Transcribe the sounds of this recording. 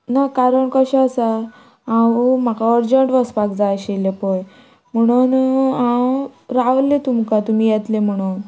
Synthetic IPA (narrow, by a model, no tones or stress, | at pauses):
nakaɾəɳkəɕẽasa | ãwm̤akaəɾd͡ʑəɳʈʋəspakd͡zaɕelepɔj | m̤əɽ̃unãwɾaʋlːet̪umkat̪um̤iːjet̪lem̤əɽ̃un